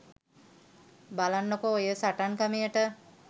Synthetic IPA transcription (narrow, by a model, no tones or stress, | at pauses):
balanːokoojəsaʈankamijəʈə